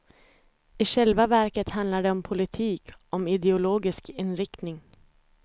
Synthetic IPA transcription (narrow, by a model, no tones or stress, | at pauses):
ɪʂɛlvavæɾkət̪hand̪laɖɛɔmpʰʊlɪt̪ʰiːkɔmɪd̪ɛʊloːɡɪskʰɪnɾɪkt̪nɪŋ